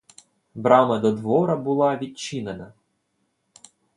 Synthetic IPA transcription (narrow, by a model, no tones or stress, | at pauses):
bɾɑmɐd̪ɔd̪ʋɔɾɐbʊlˠɑʋʲid̚ʲt͡ʃinenɐ